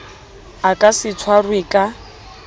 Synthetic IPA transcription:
akʼasɪt͡sʰwarwɪkʼa

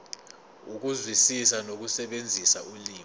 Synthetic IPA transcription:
uk̬uzwisisanok̬usɛɓend͡zʱisaʔuliː

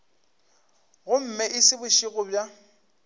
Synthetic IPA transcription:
ɣʊm̩mɛʔɪsɪbʊʃiɣʊbja

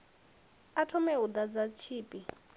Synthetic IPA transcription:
atʰɔmɛud̪ad͡zat͡ʃʰiːpʼi

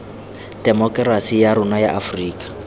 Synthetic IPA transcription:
d̥ɛmɔkʼrasijaɾʊnajaʔafriːkʼḁ

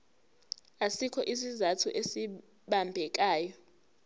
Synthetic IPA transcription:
asikʰɔʔis̬izatʰuʔesi | ɓambʱɛk̬ʼaːjɔ

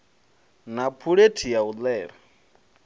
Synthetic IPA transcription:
napʰuɺetʰijaulɛːɾa

